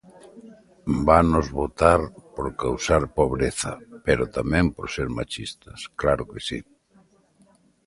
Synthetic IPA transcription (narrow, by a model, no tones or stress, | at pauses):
banʊzβot̪aɾpoɾkawsaɾpoβɾeθɐpeɾʊt̪amɛ̃mpoɾseɾmat͡ʃist̪ɐsklaɾʊkesi